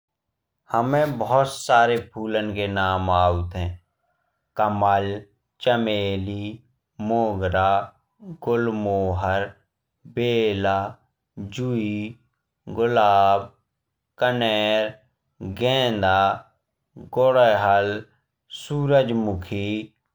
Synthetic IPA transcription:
həmẽbəɦʊt̪saːɾepʰuːlənkenaːmaːut̪ɦɛ̃ː | kəməl | t͡ʃəmeːli | moːɡɾaː | ɡʊlmoːɦəɾ | beːlaː | d͡ʒui | ɡʊlaːb | kənɛːɾ | ɡɛ̃ːnd̪aː | ɡoɽeɦəl | suːɾəd͡ʒmʊkʰi

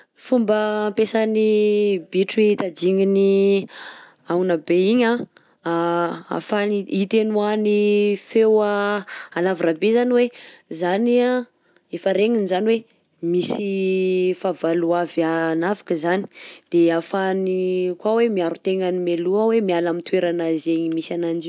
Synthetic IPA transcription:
fumbəmpesənibiʈ͡ʂiit̪ad͡ziŋini | awnabeiɲã | a̰faniit̪enuanifewaalaviɾabezaniwezania | efəɾeŋinizaniwe | misifavaluavanavḁkəzani̥d̪̥eafanikwawemiaɾut̪eŋanimeluawemialamit̪weɾanazeɲimisanand͡ʒi

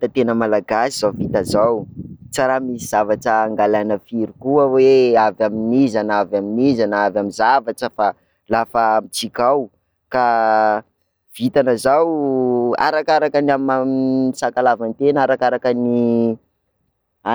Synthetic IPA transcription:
t̪ət̪enəmalaɡasiz̥awvit̪əzawt͡saɾamisiz̥avaʈ͡ʂəːŋɡalanəfiɾikuaweavaminizanavjaminizanavamizavaʈ͡ʂəfa | lafəmit͡sikaw | ka | v̥it̪anəzawa̰ɾakaɾakənamamisakalavant̪enaɾakaɾakəni | a

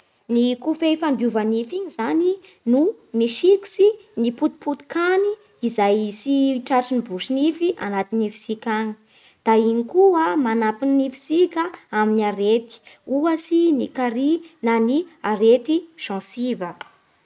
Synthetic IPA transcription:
nikufejfand̪uvanifiɲizani | nu | miʃiku̥siniput̪i̥put̪i̥kaniː | zajsiʈ͡ʂaʈ͡ʂinibuʃinifiʔanat̪inifi̥sikʲaɲi̥ | d̪̥ainikuəmanapininifi̥sikʲaaminiaɾet̪i̥uəsinikaɾinaniaɾet̪iʃɑ̃sivə

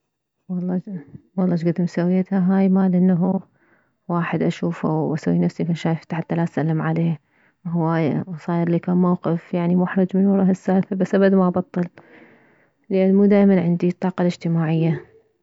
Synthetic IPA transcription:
wɑlˤːɑwɑlˤːɑːʃɡad̪ɪmsawːiat̪haɦaːjmaːlʔɪnːɦu | waːħɪd̪ʔaʃuːfa̰wʔasawːinafsikanʃaːjɪft̪ħat̪ːalaʔsalːɪmʕaleː | wɦwaːjwɑsˤɑːjɪɾlːikaːnmawqɪfjaʕnimʊħɾˤɨd͡ʒmɪnɾˤɑːhɪsːaːfɪɾbasːʔabad̪maʔbɑt̪ˤːɨl | lɪʔanːmuːd̪aːʔjmanʕɪnd̪it̪ˤːɑːqɑlɪd͡ʒt̪ɪmaːʕɪjːa

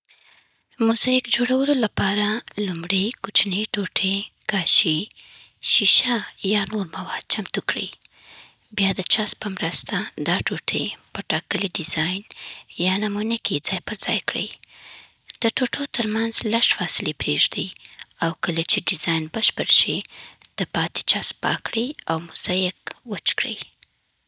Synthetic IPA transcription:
mʊzɑɪkd͡ʒoɽawəlolapɑɾalumɽejkʊt͡ʃneʈoʈʰeɡ̥ɑʃi | ʃiʃajɑnoɾmawɑd̪̥̚t͡ʃamt̪ukɽḭj | bjɑd̪ət͡ʃɑspəmɾəst̪ad̪ɑʈoʈʰepəʈɑkəliɖɪzɑjnjɑnamunəkid͡zɑjpəɾzɑjkɽə̰j | d̪̥əʈoʈʰot̪əɾmanzlaʃfɑsɪlepɾeʒd̪ijawkəlat͡ʃeɖɪzɑjnbəʃpəɾʃid̪̥əpɑt̪i̥t͡ʃɑspɑ̰kɽəjawmʊzɑjɪkwət͡ʃkɽə̰j

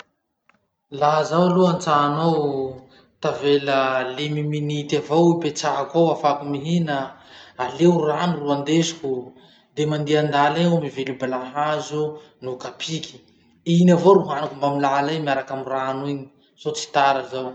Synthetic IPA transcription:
laɦazawaluant͡saːnow | t̪aveləlimiminit̪avowipet͡saɦakʷawafakumiɦinəalewramiruand̪esu̥ku | d̪emand̪iand̪alaomivelubelaɦazu | nukapʰikʲi̥ | inavoɾuɦanakumbamilalamiaɾakamiraniɲi̥ | z̥ot͡si̥t̪aɾəzaw

